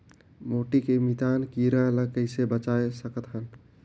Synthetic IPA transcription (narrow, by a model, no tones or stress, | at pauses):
moʈikemit̪ankiɾãləkəɪsebət͡ʃaesəkət̪ɦən